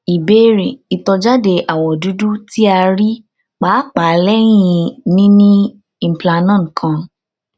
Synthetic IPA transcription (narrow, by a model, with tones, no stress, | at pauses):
i˨be˦ɾe˨i˨tɔ˧d͡ʒa˦de˧ʔa˨wɔ˨du˨˦du˦ti˦a˧ɾi˦ | k͡paː˨˦k͡pa˨˦lɛ˦j̃ĩ˧nĩ˦nĩ˦˧˨ | m̩˨pla˧nã˦˨kʰã˧